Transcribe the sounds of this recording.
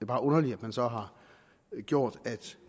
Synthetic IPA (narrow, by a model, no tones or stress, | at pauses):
eb̥ɑ̈ːʔɔ̽nɐliæd̥mænsɒ̽ɦɑ̈ | ɡ̥jo̝ɐ̰d̥æd̥